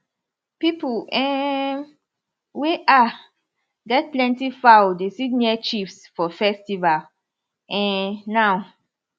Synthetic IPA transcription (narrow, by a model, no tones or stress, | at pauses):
pipuɛ̃ | weʔa | ɡɛt̚plɛ̃ntifadesitniɛt͡ʃifsfɔfɛstival | ɛ̃nːaʊ